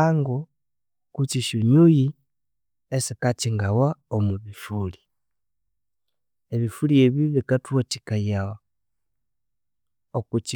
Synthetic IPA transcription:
aŋɡo | kut͡ʃiʃuɲuji | esikat͡ʃiŋɡawaomuβifuli | eβifulieβiβikatwoti̥kajawa | okut͡ʃi

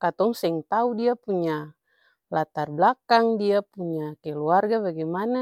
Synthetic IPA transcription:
kat̪ɔŋsɛŋt̪audiapuɲa | lat̪arblakaŋdiapuɲakɛluarɡabaɡɛmana

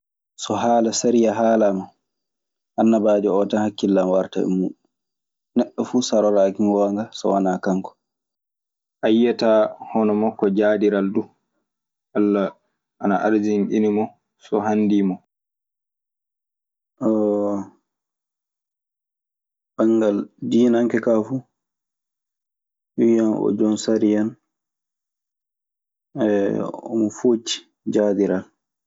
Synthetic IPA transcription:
sɔɦaːlasaɾijaɦaːlama | ʔanːabaːd͡ʒɛɔtanhakːilːamwaɾta̰ɛ̰mːu | nɛɗːɔfuːsaɾɔɾakiŋwɔŋɡasɔ̰wanakaŋkɔ̥ | ʔajːatahɔnɔmakːɔd͡ʒaːdiɾaldu | ʔalːa | ʔanaʔaɾd͡ʒinʔinimɔ | sɔhandimɔ | ʔɔ | baŋɡaldiːnaŋkɛkafu | ɗujanɔ̰d͡ʒɔnsaɾijan | ɛɔ̰mɔfoːt͡ʃi̥ | d͡ʒaːdiɾal

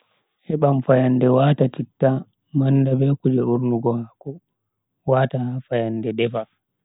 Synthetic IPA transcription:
ʔɛɓamfajandɛwaːtatitːa | mandabɛkud͡ʒɛuɾnuɡɔhakɔ | waːtahafajandɛdɛfa

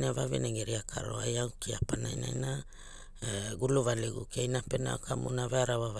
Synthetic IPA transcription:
navavḛneŋɡeɾiakʰa̰ɾo̰ajaukiapanajnajna | eɡuluvaleɡukejnapena̰okʰamṵnaveaɾaβava

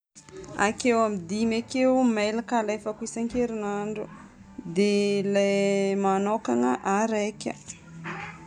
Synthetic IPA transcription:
a̰kewamid̪imakewmelakalajfakuisaŋkeɾinaɳɖ͡ʐud̪elajmanokaŋəʔaɾekʲə̰

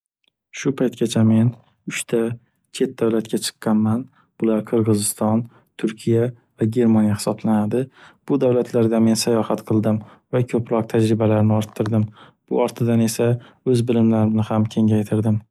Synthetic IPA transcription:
ʃʊpʰajt̪kʲat͡ʃʰame̞n | ʊʃt̪ʰa | t͡ʃʰe̞t̪̚d̪awlat̪kʲat͡ʃʰɨ̥qːɑnman | b̥ʊlaɾqʰɨɾʁɨzɪst̪ɒn | t̪ʰʊɾkʲʰija | vaɡʲe̞ɾmanjahɪ̥sɒblanad̪ɪb̥ʊd̪avlat̪ʰlaɾd̪ame̞nsajɒhat̪qʰɨlˠd̪ɪm | vakʲʰɵpɾɒq̚t̪ʰad͡ʒɾɪbalaɾɪnɪɒɾt̪ʰːɪɾd̪ɪm | b̥ʊ̰ɒɾt̪ʰɪd̪ane̞sa | ɵzbɪlɪmlaɾɪnɪhamkʲʰe̞ŋajt̪ʰɪɾd̪ɪm

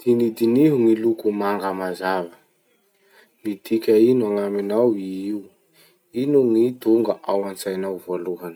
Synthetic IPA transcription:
d̪̥inid̪iniɦuŋilukumaŋɡəmazavə | nit̪ikʲainuaŋaminawiiu | inuŋit̪uŋɡəʔawant͡sajnawvoluɦanə̥

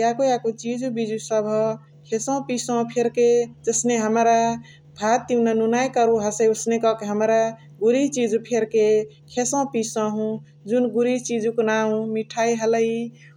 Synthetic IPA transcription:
jakojakot͡ʃid͡ʒubid͡ʒusəbʱɔ | kʰesɔ̃pisɔ̃pʰeɾked͡ʒəsneɦəmɾa | bʱat̪ːiwnanunajkəɾuɦəseusnekɔkeɦəmɾa | ɡuɾit͡ʃid͡ʒupʰeɾke | kʰesɔ̃pisɔ̃ɦũ | d͡ʒunɡuɾit͡ʃid͡ʒuknaũmiʈʰaiɦələi

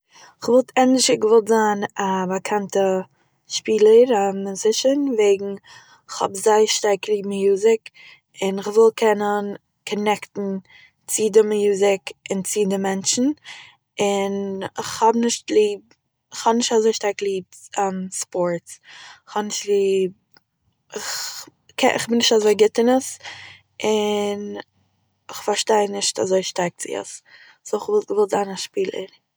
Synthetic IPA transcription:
ɪχvɔlˠtʰɛndɪʃəɡəvɔlˠtzaːnabakʰantə | ʃpiːlˠəɾamɪzɪʃənveɪɡŋ̩ | ɪχhɔ̰bzaɪʃtaɾklˠiːbm̩juːzɪk | ɪnɪχvɪlˠkʰɛnən | kʰɔnɛktn̩ | t͡sɪdɪmjuːzɪkɪnt͡sɪdɪmɛnt͡ʃn̩ | ɪnɪχhɔbnɪʃtlˠiːb̚ | ɪχhɔbnɪʃtazoɪʃtaɾklˠiːb̚ɛmspɔɹtsɪχhɔbnɪʃtlˠiːb̚ | ɪχ | kʰɛ̰ɪ̰χbɪnɪʃtazoɪɡɪtɪnəs | ʔɪn | ɪχfaɾʃteɪnɪʃta̰zoɪʃtaɾk̚t͡sɪ̰ə̰s | soχɪvɪlˠzaɪnaʃpiːlˠə̰ɾ

